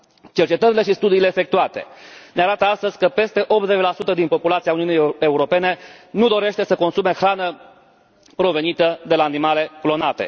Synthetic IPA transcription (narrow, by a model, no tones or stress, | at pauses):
t͡ʃe̞rt͡ʃe̞t̪əɾile̞ʃist̪ud̪iːle̞ːfek̚t̪uat̪e̞̰neaɾat̪əast̪əzʲkəpe̞st̪e̞ʔo̞p̚t̪zet͡ʃlasut̪əd̪inpo̞pulat̪siauniunijeuɾo̞pe̞ne̞nud̪o̞ɾe̞ʃt̪esəko̞nsume̞xɾanə | pɾo̞ve̞nit̪əd̪e̞laːnimale̞klo̞nat̪e̞̰